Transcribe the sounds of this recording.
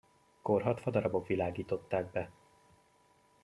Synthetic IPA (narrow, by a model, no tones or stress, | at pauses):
ko̞rɦɒt̪fɒd̪ɒɾɒbo̞kʋilaːɡiːt̪o̞t̪ːaːɡ̚bɛ